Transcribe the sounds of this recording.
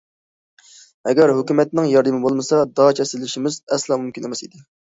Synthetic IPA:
ɛɡʲɛɾɦøkʲymɛt̪̚nɪŋjɑɾd̪ɨmɪbolˠmɨsɑd̪ɑt͡ʃʰɛsɪlɪʃimɪzɛslˠɑmumkʲinemɛsḭd̪ɪ

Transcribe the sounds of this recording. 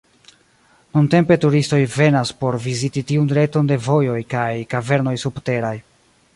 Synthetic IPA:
nunte̞mpe̞tuɾisto̞jve̞naspo̞ɾvizititiunɾe̞to̞nde̞vo̞jo̞jkajkave̞ɾno̞jsubte̞ɾaj

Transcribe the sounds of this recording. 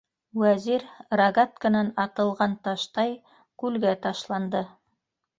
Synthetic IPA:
wæziɾraɡat̪kə̆nɑnɑt̪ɤ̆lˠʁɑnt̪ɑʃt̪ɑj | kʉlɡæt̪ɑʃlˠɑnd̪ɤ

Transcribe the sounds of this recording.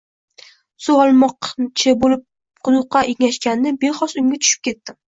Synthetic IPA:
sʊɒlˠmɒqt͡ʃʰɪbolɪp̚ | qʰʊd̪ʊqʰːɑʔeŋʲaʃkʲanːɪbe̞χɒsʊŋɡʲat̪ʰʊ̥ʃɪ̥p̚kʲʰe̞t̪ːɪ

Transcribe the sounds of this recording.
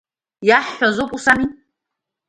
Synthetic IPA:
jaħːazopʼusani

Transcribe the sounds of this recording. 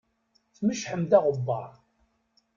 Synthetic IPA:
θməʃħəmd̪æʁəbːɑ̰ɾˤ

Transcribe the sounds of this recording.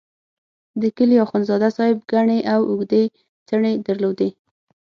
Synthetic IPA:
d̪əkəljɑxonzɑd̪asɑhɪb̚ɡaɳeʔawʊɡd̪e | t͡səɳed̪əɾlod̪e

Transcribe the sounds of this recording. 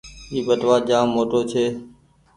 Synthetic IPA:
iːɓəʈʋaːd͡ʒãːmoːʈoːt͡ʃʰeː

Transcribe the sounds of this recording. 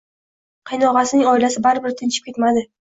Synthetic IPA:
qʰɨjnɒʁɑsɪnɪŋɒɪlasɪbaɾbɪɾt̪ʰɪnt͡ʃʰɪ̥p̚kʲet̪mad̪ɪ

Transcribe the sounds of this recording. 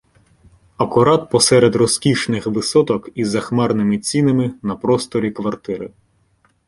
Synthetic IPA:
ɐkʊɾɑt̪̚pɔsɛɾed̪rɔskʲiʃnɪxʋɪsɔt̪ɔkizɐxmɛrnɪmɪt͡sʲinɪmɪnɐpɾɔst̪ɔɾʲikʋɐrt̪ɪɾɪ̰

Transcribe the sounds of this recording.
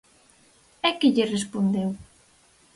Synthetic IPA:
ɛkɪʎɪrespond̪ew

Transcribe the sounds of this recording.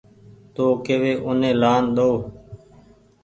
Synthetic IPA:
t̪oːkeːʋeːʔʊnẽːlaːnɗ̪oː

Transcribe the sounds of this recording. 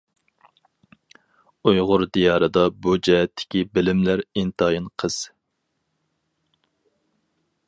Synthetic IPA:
ujʁʊɾd̪ijɑːɾɨd̪ɑbud͡ʒɛɦɛt̪ʰːɪ̥kʲibɪlɪmlæɾint̪ʰɑːjinqʰəz̥

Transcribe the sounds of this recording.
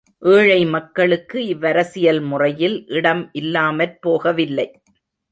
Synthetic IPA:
ʔeːɻɐɪmɐkːɐɭɯkːɯɪʋːɐɾɐsɪjɐlmʊrɐjɪlʔɪɽɐmʔɪlːaːmɐɾpoːɣɐʋɪlːɐɪ

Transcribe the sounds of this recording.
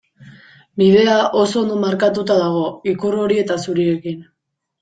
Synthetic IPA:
bið̞e̞aʔo̞so̞ːnd̪omaɾkat̪ut̪aðaɣ̞o̞ikuro̞ɾie̞t̪asuɾie̞kin

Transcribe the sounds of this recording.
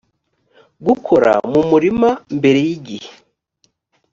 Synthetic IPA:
ɡukʰo̞ɾa̰mumuɾimambe̞ɾe̞jiɟihe̥

